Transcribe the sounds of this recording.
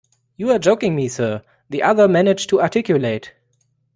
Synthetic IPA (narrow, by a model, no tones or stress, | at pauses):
juəd͡ʒoʊkɪ̃ŋmisɜ˞ | ðiʔʌðə˞mænɪd͡ʒtʰuatʰɪkjuleɪt